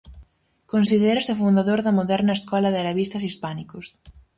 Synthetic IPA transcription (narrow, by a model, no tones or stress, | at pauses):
konsiðeɾɐsofund̪aðoɾðɐmoðɛɾnɐeskɔlɐðɪaleβist̪ɐsispanikʊs